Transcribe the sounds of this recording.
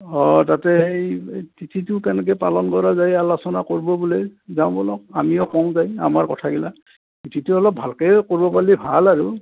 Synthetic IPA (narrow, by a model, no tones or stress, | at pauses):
ɔtatɛejtitʰitʊkɛnɛk̬ɛpalɔnkɔɹazajalɔsɔnakoɹibɔbulejzaw̃bɔlɔk̚amiɔkɔŋ̃zaja̰maɹkɔtʰaɡila | titʰitʊɔlɔp̚bʱalkɛkoɹibɔpalibʱalaɹʊ